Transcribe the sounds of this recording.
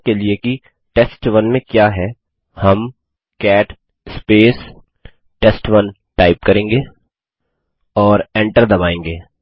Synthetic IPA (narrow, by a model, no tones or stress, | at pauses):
kelieki | ʈɛsʈʋɐnmẽkjaːɦɛ | hɐm | kɛːʈ | speːs | ʈɛsʈʋɐn | ʈaːɪpkɐɾẽːŋɡeː | ɔːɾɛ̃ɳʈəɾd̪ɐbaːẽːŋɡeː